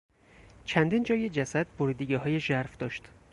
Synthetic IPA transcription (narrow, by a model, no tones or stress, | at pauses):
t͡ʃʰænd̪iːnd͡ʒɒːjed͡ʒæsæd̪̚boɾid̪iɡeɦɒːjeʒæɾfd̪ɒːʃt̪